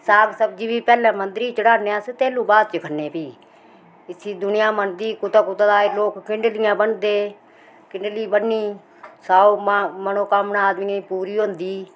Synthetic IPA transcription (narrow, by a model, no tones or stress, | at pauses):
saːɡsəb̚d͡ʒiːbiːpɛːlãːmənd̪ɾiːt͡ʃəɽaːneaːset̪ɛːlũːbaːd̪̚t͡ʃəkʰənːeːpiː | ɪsʰiːd̪ʊnɪjãːmənd̪iːkʊt̪aːkʊt̪ad̪aːeloːkːɪɳɖlɪjãːbənd̪eː | kɪɳɖliːbənːiː | saːomənõːkəmnaːd̪miːnəiːpuːɾiːɦõːnd̪iː